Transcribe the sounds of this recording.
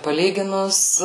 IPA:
pɐˈlʲiːɡʲɪnʊs

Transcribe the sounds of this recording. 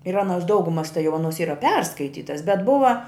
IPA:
ɪr ˈɑːnoːs ˈdɐʊɡʊmɐs tɐɪ jɛʊ ˈɑːnoːs ˈiːrɐ ˈpʲɛrskɐɪtʲiːtɐs bʲɛt ˈbʊʋɐ

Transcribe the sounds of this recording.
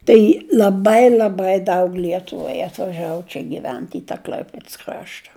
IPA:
ˈtɐɪ lʲɐˈbɐɪ lʲɐˈbɐɪ ˈdɐʊk ˈlʲiɛtʊʋɐɪ ɐtʋɐˈʒɑːʋʊ ˈt͡ʃʲɛ ɡʲɪˈʋʲɛnt ɪ tɑː ˈklʲɐɪpʲeːts ˈkrɑːʃtɐ

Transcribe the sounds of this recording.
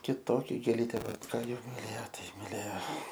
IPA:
kʲɪˈtoːkʲɛ ɡʲeːˈlʲiːtʲeː ˈʋɐ ˈkɑː ˈjɛʊ mʲɪˈlʲeːjoː ˈtɐɪ mʲɪˈlʲeːjoː

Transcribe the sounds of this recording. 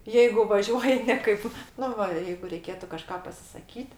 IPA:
jɛɪɡʊ ˈʋɑːʒʲuɔjɪ ˈnʲɛ kɐɪp ˈnʊ ʋɐ jɛɪɡʊ rʲɛɪˈkʲeːtʊ kɐˈʃkɑː pɐsʲɪsɐˈkʲiːt

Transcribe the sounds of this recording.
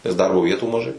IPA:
nʲɛs ˈdɐrboː ˈʋʲiɛtuː mɐˈʒɐɪ

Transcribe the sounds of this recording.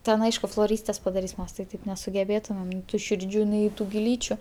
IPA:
ˈtʲɛn ˈɐɪʃkʊ flˠoːˈrʲiːsʲtʲeːs pɐdɐˈrʲiːs ˈmʲɛs tɐɪ ˈtɐɪp nʲɛsʊɡʲɛˈbʲeːtʊmʲɛm nʲɛɪ ˈtuː ˈʃʲɪrʲd͡ʒʲuː nʲɛɪ ˈtuː ɡʲɪˈlʲiːt͡ʃʲʊ

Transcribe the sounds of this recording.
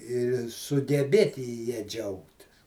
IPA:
ɪr sʊɡʲɛˈbʲeːtʲɪ jɛ ˈd͡ʒʲɛʊktʲɪs

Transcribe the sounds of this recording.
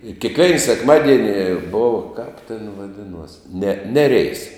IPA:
ɪ kʲeːkˈʋʲɛɪn sʲɛkˈmɑːdʲiɛnʲɪ ˈboːw kɐp tʲɛn ʋɐˈdʲɪnuɔs nʲɛ ˈnʲæːrʲɛɪs

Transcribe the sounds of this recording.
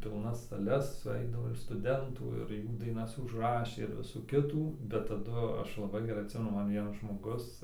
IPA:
pʲɪlˠˈnɐs sɐˈlʲɛs sʊˈɛɪdɐʋoː ɪr stʊˈdʲɛntuː ɪr ˈjuː dɐɪˈnɐs ʊʒˈrɑːʃʲeː ɪr ˈʋʲɪsuː ˈkʲɪtuː bʲɛt tɐˈdʊ ˈɐʃ lˠɐˈbɐɪ ɡʲɛˈrɐɪ ɐtʲˈsʲɪmʲɛnʊ ˈmɐn ˈʋʲiɛnɐs ʒmoːˈɡʊs

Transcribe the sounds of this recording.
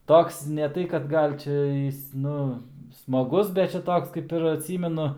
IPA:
ˈtoːks nʲɛ ˈtɐɪ kɐt ˈɡɐlʲ ˈt͡ʃʲɛ ˈjɪs ˈnʊ smɐˈɡʊs bʲɛt ˈt͡ʃʲɛ ˈtoːks kɐɪp ɪr ɐtʲˈsʲiːmʲɛnʊ

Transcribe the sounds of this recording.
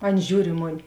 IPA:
ˈɐn ˈʒʲuːr ɪ ˈmoːˌnʲɪ

